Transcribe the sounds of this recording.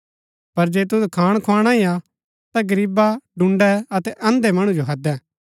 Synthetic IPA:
pɐɾd͡ʒeːt̪̬ʊdkʰaːɽ̃kʰaːɽ̃aia | t̪aɡɐɾiːbaɖʊ̃ɳɖɛɐt̪ɛʔɐ̃nd̪emɐɽ̃ũd͡ʒoɦɐd̪ɛ̃ː

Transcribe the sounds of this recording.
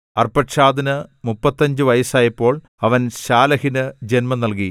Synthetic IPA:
ɐrpɐʈʂaːd̪ɐnɨmupːɐt̪ːɐɲd͡ʑɨʋɐjɐsaːjɐpːo̞ːɭ | ɐʋɐnɕaːlɐhinɨd͡ʑenmɐnɐlki

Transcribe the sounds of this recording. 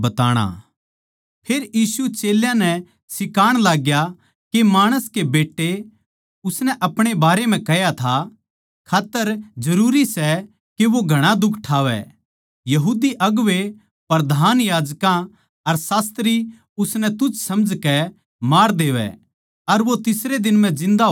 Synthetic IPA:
bɐt̪aːɽ̃a̰ | pʰeːɾjiːsut͡ʃeːljãnɛ | sɪkaːɽ̃laːɡja | kemaːɽ̃əskebeːʈːe | ʊsnɛʔɐpɽ̃ebaːɾem̤ɛ̃kɛjat̪ʰa | kʰaːt̪ːəɾd͡ʒɐɾuːɾisɛ | keʋoɡʱɐɽ̃ad̪ʊkʰʈʰaːʋɛ̰ | jɐɦuːd̪iʔɐɡʋe | pɐɾd̪ʱaːnjaːd͡ʒkã | ɐɾsaːst̪ɾi | ʊsnɛt̪ʊt͡ʃsɐmd͡ʒkɛ | maːɾd̪eːʋɛ̰ | ɐɾʋot̪ɪsɾed̪ɪnm̤ɛ̃d͡ʒɪ̃nd̪a

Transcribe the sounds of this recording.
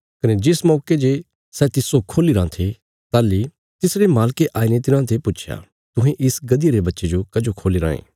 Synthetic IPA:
kɐned͡ʒɪsmɔːked͡ʒe | sɛːt̪ɪsokʰoːliɾãt̪ʰe | t̪aːlːi | t̪ɪsɾemaːlkeʔaːinet̪̬ɪnãt̪ʰepʊtːt͡ʃʰja̰ | t̪ʊ̃ɦẽʔɪsɡɐd̪ɪjeɾebɐtːʃed͡ʒokɐd͡ʒokʰoːliɾã̰ːḛ̃ː

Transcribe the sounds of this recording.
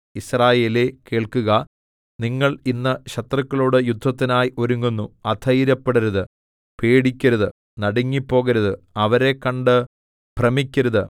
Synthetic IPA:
israːje̞ːleke̞ːɭkuɣɐ | niŋːɐɭinːɐɕɐt̪rɐkːɐɭoːɽɨjud̪ʱːɐt̪ːinaːjʔo̞ɾuŋːunːuɐd̪ʰʱɐjiɾɐpːeɽɐɾɐðɨ | peːɽikʲːɐɾɐðɨ | nɐɽɐŋːipːo̞ːɣɐɾɐðɨɐʋɐɾe̞kːɐɳɖɨ | b̥ʱrɐmikʲːɐɾɐðɨ

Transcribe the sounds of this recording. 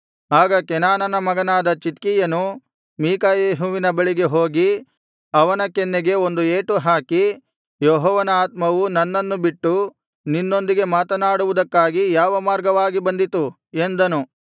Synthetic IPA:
aːɡɐkɛnaːnɐnɐmɐɡɐnaːd̪ɐt͡ʃit̪kijɐnu | miːkɐjeːɦuʋinɐbɐɭiɡe̞ɦoːɡi | ɐʋɐnɐkenːeɡe̞o̞nd̪ueːʈuɦaːki | joɦɔːʋɐnɐaːt̪̚mɐʋunɐnːɐnːubiʈːu | ninːo̞nd̪iɡe̞maːt̪ɐnaːɽuʋud̪ɐkːaːɡijaːʋɐmaːɾɡɐʋaːɡibɐnd̪it̪u | end̪ɐnu

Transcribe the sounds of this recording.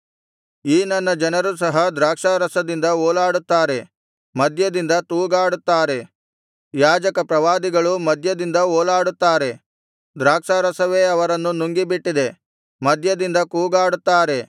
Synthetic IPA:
iːnɐnːɐd͡ʒɐnɐɾusɐɦɐd̪ɾaːkʂaːɾɐsɐd̪ind̪ɐoːlaːɽut̪ːaːɾe̞ | mɐd̪ʱjɐd̪ind̪ɐt̪uːɡaːɽut̪ːaːɾe̞ | jaːd͡ʒɐkɐpɾɐʋaːd̪iɡɐɭumɐd̪ʱjɐd̪ind̪ɐoːlaːɽut̪ːaːɾe̞ | d̪ɾaːkʂaɾɐsɐʋe̞ːɐʋɐɾɐnːunːuŋɡibiʈːid̪e̞ | mɐd̪ʱjɐd̪ind̪ɐkuːɡaːɽut̪ːaːɾe̞

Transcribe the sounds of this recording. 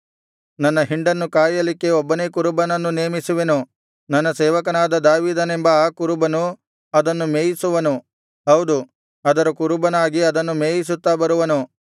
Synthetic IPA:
nɐnːɐɦiɳɖɐnːukaːjɐlikːe̞obːɐneːkuɾubɐnɐnːuneːmisuʋe̞nu | nɐnːɐsɛːʋɐkɐnaːd̪ɐd̪aːʋiːd̪ɐnembɐaːkuɾubɐnu | ɐd̪ɐnːumeːjisuʋɐnu | ɦɐwd̪u | ɐd̪ɐɾɐkuɾubɐnaːɡiɐd̪ɐnːumeːjis̬ut̪ːabɐɾuʋɐnu

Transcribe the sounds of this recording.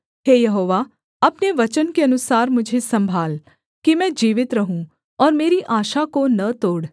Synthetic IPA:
ɦeːjɐɦoːʋa | ɐpneʋɐt͡ʃənkeɐnʊsaːɾmʊd͡ʒʱesɐ̃mbʱaːl | kimɛ̃d͡ʒiːʋɪt̪ɾɐɦũ | ɔːɾmeːɾiʔaːʃakonɐt̪oːɽ

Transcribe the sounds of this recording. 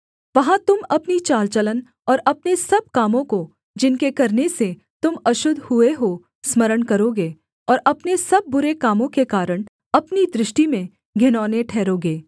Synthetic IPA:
ʋɐɦãt̪ʊmɐpnit͡ʃaːlt͡ʃələn | ɔːɾɐpnesɐb̚kaːmõko | d͡ʒɪnkekɐɾnese | t̪ʊmɐʃʊd̪ʱhʊeɦo | smɐɾəɽkɐɾoɡeː | ɔːɾɐpnesɐb̚ːʊɾekaːmõkekaːɾəɽ̃ | ɐpnid̪ɾɪʃʈimẽ | ɡʱɪnɔːneʈʰɛːɾoːɡeː

